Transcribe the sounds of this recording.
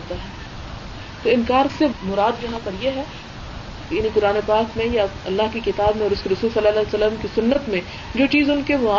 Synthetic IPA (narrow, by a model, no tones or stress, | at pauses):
t̪aɦɛː | t̪oːɪ̃nkaːɾsemʊɾaːd̪jɐɦãpɐɾjeɦɛː | jaːnikʊɾaːnepaːkmẽjaɐlːaɦkikɪt̪aːbmẽɔːɾʊskiɾɐsuːlsɐlːaːlasɐlːəmkisʊnːət̪mẽ | d͡ʒoːt͡ʃiːzʊnkeʋʊaː